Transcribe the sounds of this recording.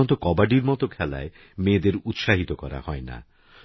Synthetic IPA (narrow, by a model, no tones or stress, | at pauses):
ɔnt̪okɔbaɖiɾmɔt̪okʰɛla̰e | med̪eɾut̪ʃaɦit̪okɔɾa̰hɔena̰